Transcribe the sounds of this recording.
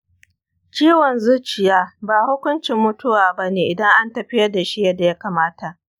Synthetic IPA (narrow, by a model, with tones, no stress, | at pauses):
t͡ʃiː˦wɔ˨nzʊ˦t͡ʃɪ˨jaː˦baː˨hʊ˦kʷʊ˦nt͡ʃɪ˨mːʊ˦tʊ˦waː˨bɐ˦neː˨ʔɪ˨dɐ˦ŋʔa˦ntɐ˨ɸɪ˦jɐ˦da˨ʃi˦jɐ˦da˨ja˦kaː˨maː˦ta˨ʔ